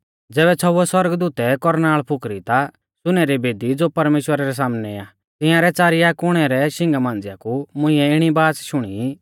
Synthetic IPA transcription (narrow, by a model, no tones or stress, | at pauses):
d͡zɛːβɛt͡sʰɔɛswɐɾɡd̪uːt̪ɛkɔɾnaːɭpʰʊkɾit̪a | sʊnɛɾibeːd̪id͡zoːpɐɾmeːʃwəɾaɾɛs̬aːmnɛaː | t̪ɪ̃jãɾɛt͡saːɾɪjakʊɽ̃ɛɾɛʃɪ̃ŋɡamãːnd͡zɪjakumʊ̃ɪ̃ɛɪɽ̃ibaːsʃʊɽ̃ḭ